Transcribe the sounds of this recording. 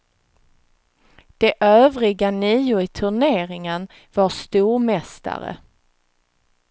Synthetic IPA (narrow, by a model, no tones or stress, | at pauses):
d̪̥ɛʔøːvɾɪɡaniːʊɪt̪ʰɵɳeːɾɪŋən | vast̪uːɾmɛst̪a̰ɾə̰